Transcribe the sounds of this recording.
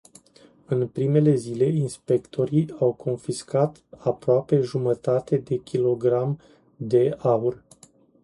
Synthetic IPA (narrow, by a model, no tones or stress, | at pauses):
ɨnpɾime̞le̞zile̞inspe̞kt̪ʰo̞ɾiawkʰo̞nfiskat̪apɾoape̞ʒumət̪at̪e̞d̪e̞kʲilo̞ɡɾam | d̪e̞aur